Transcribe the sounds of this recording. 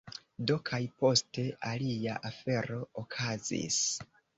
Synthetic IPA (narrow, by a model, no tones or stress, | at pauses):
do̞kʰajpo̞ste̞ʔaliaʔafe̞ɾo̞ːkʰazḭs